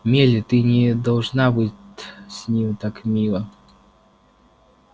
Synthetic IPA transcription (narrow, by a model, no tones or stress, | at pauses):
mʲelʲɪt̪ɨnʲɛd̪ɐlˠʐnabɨsʲnʲimt̪akmʲilˠɐ